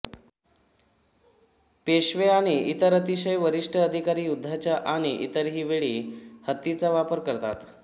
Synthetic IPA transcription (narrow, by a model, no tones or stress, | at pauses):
peɕʋeaɽ̃iit̪əɾət̪iɕəjʋəɾiʂʈʰəəd̪ʱikaɾiːjud̪ʱːat͡ɕjaʔaɽ̃iʔḭt̪əɾɦiːʋeɭiːhət̪ːit͡saʋapəɾkəɾt̪a̰t̪